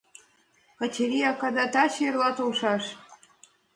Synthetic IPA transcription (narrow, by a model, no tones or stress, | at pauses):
kə̆t͡ɕeɾiɑkɑd̪ɑt̪ɑt͡ɕerlɑt̪olʃɑʃ